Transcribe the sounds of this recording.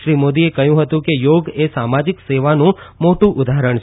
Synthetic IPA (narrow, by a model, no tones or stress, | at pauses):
ʃɾimod̪iekəjũɦət̪ũkejoɡesamad͡ʒikseʋanũmoʈũʔʊd̪aɦɾəɳt͡ʃʰ